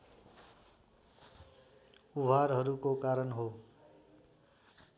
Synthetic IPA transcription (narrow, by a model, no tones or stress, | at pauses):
ubʱaɾɦʌɾukokaɾʌnɦo